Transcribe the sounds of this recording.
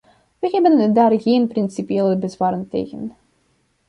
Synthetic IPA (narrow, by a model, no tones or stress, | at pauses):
ʋəɦɛbəndaːrɣeːnprɪnsipieːləbəzʋaːɾəntḛːɣə̰n